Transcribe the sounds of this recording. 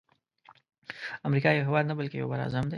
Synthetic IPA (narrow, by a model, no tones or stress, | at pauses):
amɾikɑjawɦɪwɑd̪nabəlkejo̰wbaɾɑ̰zamd̪e